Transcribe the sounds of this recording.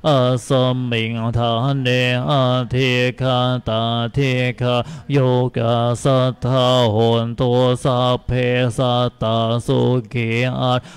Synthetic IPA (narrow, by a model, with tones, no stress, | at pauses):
ʔa˧sə˧mi˨ŋt̪ʰa˧hne˧ʔa˧t̪ʰi˧kʰa˧t̪a˨t̪ʰi˧kʰa˧jo˧ka˨˩sa˧t̪ʰa˧ɦo˨nt̪o˧sa˧pʰe˧sa˧t̪a˨˧so˧ɡe˨ʔa˧t